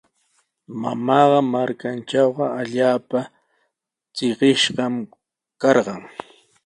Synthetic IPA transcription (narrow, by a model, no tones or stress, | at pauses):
mamɑːɢɑmaɾkanʈ͡ʂawɢɑaʎaːpa | t͡sɪɢɪʃɢɑm | kɑɾɢɑŋ